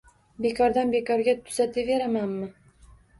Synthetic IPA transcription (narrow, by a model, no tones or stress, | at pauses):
bekʰɒɾd̪anbekɒɾɡʲat̪ʰʊ̥zat̪ɪveɾamanmɪ